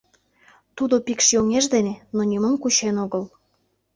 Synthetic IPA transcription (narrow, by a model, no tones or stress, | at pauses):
t̪ud̪opikʃjoŋeʒd̪enenonʲiməmkut͡ɕenoɣəl